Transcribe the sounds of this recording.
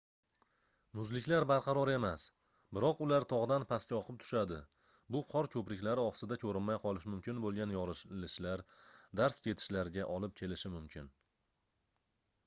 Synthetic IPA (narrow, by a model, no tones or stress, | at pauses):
mʊzlɪkʲlaɾbaɾqʰɑɾɒɾe̞mas | bɪɾɒqʊlaɾt̪ʰɒʁd̪anpʰaskʲaɒqʰɨp̚t̪ʰʊ̥ʃad̪ɪ | bʊqʰɒɾkʲʰɵpɾɪkʲlaɾɪɒχsɪd̪akʲʰɵɾɪnmajqʰɒlˠɪʃmʊmkʲɪnbolˠɡʲanjɒɾɪʃlɪʃlaɾd̪aɾskʲʰe̞t̪ʰɪ̥ʃlaɾɪɡʲaʔɒlɪp̚kʲʰe̞lɪʃɪmʊmkʲʰɪn